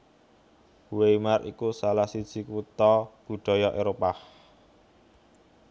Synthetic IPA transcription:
wemarḭkusalahsid̥ʒ̥i̤kut̪ɔb̥ṳɖ̪̥ɔ̤jɔʔeɾopah

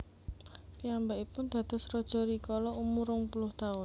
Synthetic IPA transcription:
piambaipʊnd̪̥ä̤d̪̥ɔ̤srɔd̥ʒ̥ɔ̤ɾikɔlɔumuɾʊŋpulʊht̪aʊn

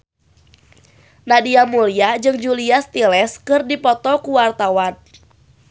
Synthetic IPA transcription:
nadiamuliad͡ʒɨŋd͡ʒuliast̪ilɛskɨrdipɔt̪ɔkuwart̪awan

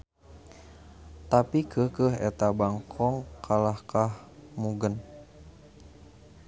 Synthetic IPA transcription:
t̪apikʰəhkəɦɛ̰t̪abaŋkʰɔŋkʰalahkahmuɡən

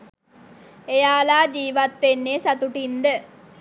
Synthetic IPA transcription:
ejaːlaːd͡ʒiːʋat̪ʋenːeːsat̪uʈind̪ə

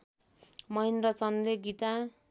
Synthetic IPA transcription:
mʌɦind̪rʌt͡sʌnd̪eɡit̪a

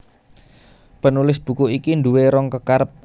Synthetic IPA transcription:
pənulɪsb̥ṳkuʔikinduweɾɔŋkəkaɾəp̚

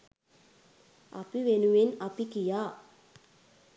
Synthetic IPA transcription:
a̰piʋenuʋinapikijaː

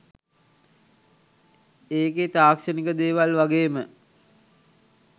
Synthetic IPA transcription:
eːket̪aːkʃənikəd̪eːʋalʋaɡeːmə

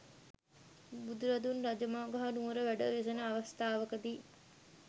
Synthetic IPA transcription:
bud̪uɾɐd̪unrɐd͡ʒɐmaːɡɐɦanuːɾəʋæɖəʋesɐnəːʋɐst̪aːʋɐkəd̪iː

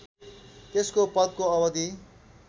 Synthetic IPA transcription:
t̪eskopʌt̪̚koʌbʌd̪i

